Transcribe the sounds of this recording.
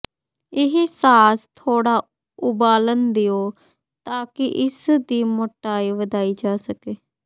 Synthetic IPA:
ɪɦesaːst̪ʰoːɽaː | ʊbaːlənd̪ɪjoː | t̪aːkɪʔɪsd̪iːmoʈːaːiːʋəd̪aːiːd͡ʒaːsəkeː

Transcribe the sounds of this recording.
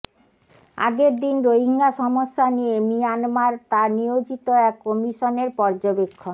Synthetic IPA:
a̰ɡeɾd̪inɾoɦiŋɡaʃɔmoʃːanijemijanmaɾt̪aɾnijod͡ʑit̪oɛkːɔmiʃoneɾpɔɾd͡ʑobekʰːo

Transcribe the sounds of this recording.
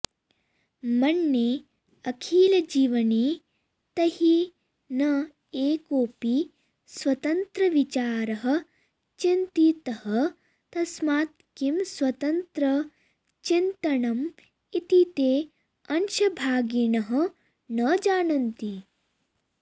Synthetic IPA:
mɐnːeː | ɐkʰiːlɐd͡ʒiːʋɐni | t̪ɐhi | nɐ | eːkoːpi | sʋɐt̪ɐnt̪ɾɐʋit͡ʃaːɾɐɦɐ̆ | t͡ʃint̪it̪ɐhɐ | t̪ɐsmaːt̪kimswɐt̪ɐnt̪ɾɐ | t͡ʃint̪ɐɳɐm | it̪it̪eː | ɐnʃɐbʱaːɡinɐɦɐ̆ | nɐd͡ʒaːnɐnt̪i

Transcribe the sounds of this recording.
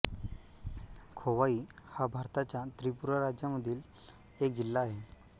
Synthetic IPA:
kʰoʋaiːhabʱaɾt̪at͡ɕjat̪ɾipuɾaɾad͡ʑjaməd̪ʱiːl | ek̚d͡ʑilːaːɦe

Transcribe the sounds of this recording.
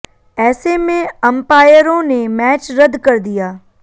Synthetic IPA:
ɛːsemẽəmpaːjəɾõneːmɛːt͡ʃɾəd̪kəɾd̪ɪjaː

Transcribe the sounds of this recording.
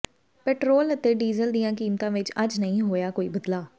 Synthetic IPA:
pɛːʈɾoːlət̪eːɖiːzəld̪ijãːkiːmt̪ãːʋɪt͡ʃəd͡ʒnəɦĩːɦoːjaːkoːiːbəd̪laː

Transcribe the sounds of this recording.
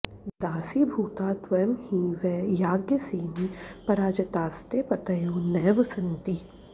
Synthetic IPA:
d̪aːsiːbʱuːt̪aːt̪ʋɐjmhĩːʋɛjaːɡjəseːnipɐɾaːd͡ʒɐt̪aːst̪eːpɐt̪ɐjoːnɛːʋəsɐnt̪i

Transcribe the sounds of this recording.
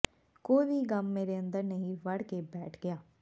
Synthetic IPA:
koːiʋiːɡamːeːɾeːə̃nd̪əɾnəɦĩːʋəɽkeːbɛːʈʰɡɪjaː

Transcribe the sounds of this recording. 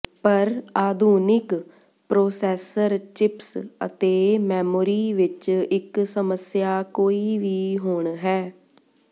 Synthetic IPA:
pəɾaːd̪ʱuːnɪk | pɾoːsɛːsəɾt͡ʃɪpsə̰t̪eːmɛːmoːɾiːʋɪt͡ʃɪksəməsjaːkoːiːʋiːɦoːɳɦɛː

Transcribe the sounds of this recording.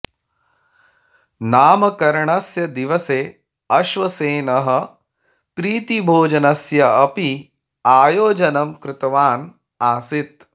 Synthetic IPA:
naːmɐkɐɾɐɳɐsjɐd̪iʋɐseː | ɐʃʋɐseːnɐɦɐ̆ | pɾiːt̪ibʱoːd͡ʒɐnɐsjɐɐpi | aːjoːd͡ʒɐnɐmkɾɪt̪ɐʋaːn | aːsit̪̚

